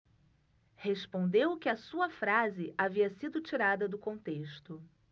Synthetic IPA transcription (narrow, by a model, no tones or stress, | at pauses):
hespõnd̪ewkɪɐsuɐfɾazɪʔaviɐsid̪ʊt͡ʃiɾad̪ɐd̪ʊkõnt̪eʃt̪ʊ